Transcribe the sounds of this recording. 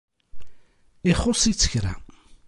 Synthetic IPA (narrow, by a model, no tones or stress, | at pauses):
ɪχːʊsˤit͡sːə̥çɾæ̰